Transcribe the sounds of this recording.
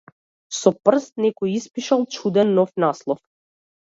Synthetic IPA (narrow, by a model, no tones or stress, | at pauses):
sɔpr̩st̪̚nɛkɔjispiʃalˠt͡ʃud̪ɛnːɔfnaslˠɔf